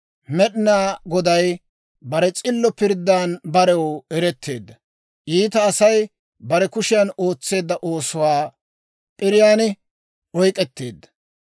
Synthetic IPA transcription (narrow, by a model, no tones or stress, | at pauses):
mɛɗɪnaːɡɔd̪ɐj | bɐɾɛt͡sʼɪlːɔpɪɾd̪ːaːnbɐɾɛwɛɾɛt̪ːe̞̰ːd̪ːɐ | ʔiːt̪ɐːsɐj | bɐɾɛkʊʃɪjɐno̞ːt͡sːe̞ːd̪ːɐʔoːsʊwaː | pʼɪɾɪjaːn | ɔjkʼɛt̪ːeːd̪ːɐ̥